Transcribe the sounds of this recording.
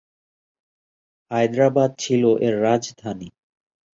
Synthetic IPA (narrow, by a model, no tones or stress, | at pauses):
hajd̪ɾabad̪̚t͡ɕʰiloʔeɾːad͡ʑd̪ʱani